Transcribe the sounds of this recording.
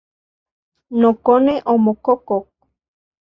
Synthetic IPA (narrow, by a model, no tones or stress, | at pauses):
nokoneʔomokokok̚